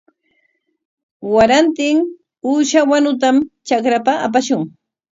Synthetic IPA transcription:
waɾant̪ɪŋ | uːʃawanʊt̪amt͡ʃakɾapaap̬aʃʊŋ

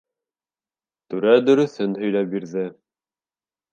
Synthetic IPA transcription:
t̪ʉɾæd̪ɵ̆ɾɵ̆θɘnhɵ̆jlæp̚biɾðɘ

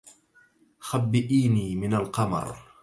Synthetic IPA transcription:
xabːɪʔiːniːmɪnalqɑmɑ̰ɾˤ

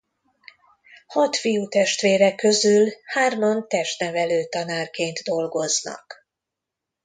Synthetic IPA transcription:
hɒt̪fijut̪ɛʃt̪ʋeːɾɛkːøzylhaːrmont̪ɛʃt̪nɛvɛløːt̪ɒnaːrkeːnt̪d̪o̞lɡo̞znɒ̰k

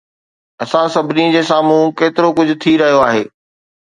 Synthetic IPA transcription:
ɐsãsɐbʱɪnĩd͡ʑeːsaːmũkeːt̪ɪɾokʊd͡ʑʱʊ̆t̪ʰiɾɐɦijoaːɦeː

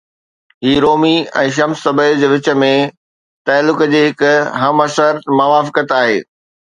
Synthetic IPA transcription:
ɦiːɾoːmiɛ̰̃ːʃ̬ɐmsːɐbəd͡ʑeːʋɪt͡ɕə̆mẽ | t̪aːlːʊkd͡ʑeːɦɪkʊɦɐmɐsəɾmɐʋaːfɪkət̪aːɦḛː

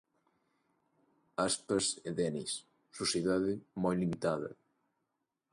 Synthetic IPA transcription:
aspɐseðɛnḭsː | usjeðaðɪmɔjlimit̪aðɐ̰

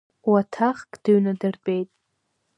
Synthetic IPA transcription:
watʰaχkʼd̥ɨɥnadɨrbʼejtʼ

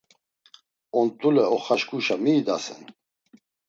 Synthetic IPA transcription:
ɔnt̪ʼulɛɔχaʃkʼuʃamiːd̪asɛ̰n

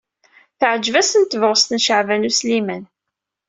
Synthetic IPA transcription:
θəʕd͡ʒvæsənt̪ːəvʁəst̪nʃəʕvænuslimæn

